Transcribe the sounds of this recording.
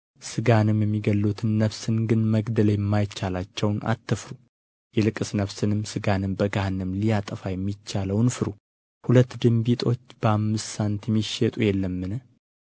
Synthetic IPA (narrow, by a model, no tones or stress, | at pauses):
sɨɡanɨmjɛmːiɡəlːut̪ʰɨnːəβsɨnɡɨnməɡd̪ələjɛmːajt͡ʃːalat͡ʃːɛwnʔa̰t̪ʰːɨfɾu | jɛlɨkʼːɨsnəβsɨnɨmsɨɡanɨmbəɡanɨmlijat̪ʼəfajɛmːit͡ʃːaləwnfɨɾu | hulət̪ːd̪ɨmbit̪ʼo̞t͡ʃːb̥əamːɨst̪sant̪jɛmːiʃɛt̪ʼujɛlːəmːɨnə